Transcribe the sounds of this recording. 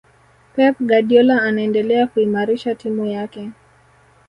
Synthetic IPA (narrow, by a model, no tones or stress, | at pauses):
pɛp̚ɡaɗiɔlaːnaɛndɛlɛakuimaɾiʃatimujakɛ